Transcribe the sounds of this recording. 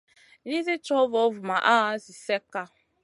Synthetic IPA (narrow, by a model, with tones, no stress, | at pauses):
ni˦zi˦t͡ʃɔ˦vo˨˦vu˨ma˨ʔa˦a˦si˨sɛ˦ka˦